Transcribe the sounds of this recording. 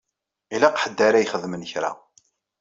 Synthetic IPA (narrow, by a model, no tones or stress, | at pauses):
ilaqħəd̪ːaɾæjχəðmənçɾa̰